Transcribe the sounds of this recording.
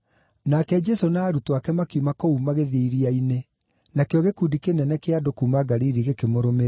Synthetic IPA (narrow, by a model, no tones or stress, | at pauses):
nakɛd͡ʒɛsonaːɾutwakɛmakumakoumaɣeðeiɾiaine | nakeɔɣekudikenɛnɛkeadokumaɡaɾiɾiɣekemoɾomeɾa